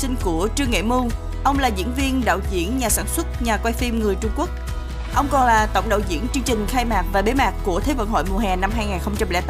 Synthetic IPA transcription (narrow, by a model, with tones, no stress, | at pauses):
sï˧ŋ̟ku˧˩ət͡ɕɨ˧əŋːḛ˧˨mu˧ | ʔə˧wŋ͡mlaː˨˩zḭ˧˥ənvi˧ənɗa̰ː˧˨wzḭ˧˥ənɲaː˨˩saː˧˩nswə˦˥t̚ɲaː˨˩kwa˧jfi˧mŋɨ˨˩əjt͡ɕʊ˧ŋ͡mku˦˥ək̚ | ʔə˧wŋ͡mkɔ˨˩nlaː˨˩t̪ə̰˧˨wŋ͡mɗa̰˧˨wzḭ˧˥ənt͡ɕɨ˧ŋt͡ɕï˨˩ŋ̟xaː˧jmaː˨˩k̚vaː˨˩ɓe˨˦maː˨˩kku˧˩ət̪ʰe˨˦və˧˨nɦo̰˧˨jmu˨˩əhɛ˨˩na˧mɦaː˧jŋaː˨˩nxə˧wŋ͡mt͡ɕa˧mlɛ̰˧˥t̪ː